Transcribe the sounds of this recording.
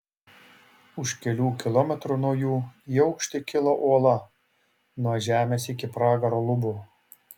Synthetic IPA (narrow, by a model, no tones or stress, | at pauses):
ʊʃkʲɛlʲuːkʲɪlˠɔmʲɛt̪ɾunuɔjuːiɛʊkʃʲt̪ʲɪkʲɪlˠoʔuɔlˠɐ | nuɔʒʲæːmʲeːsɪkʲɪpɾɑːɡɐɾoːlˠʊbʊ